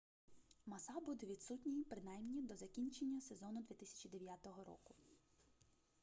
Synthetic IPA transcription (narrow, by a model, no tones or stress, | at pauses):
mɐsɑbud̪ɛʋʲit̪sutʲnʲijpɾɪnajmnʲid̪ɔzɐkʲinʲt͡ʃenʲːɐse̞zɔnʊd̪ʋʲit̪ɪsʲɐ̥t͡ʃid̪e̞ʋʲjat̪ɔɦɔɾɔ̰kʊ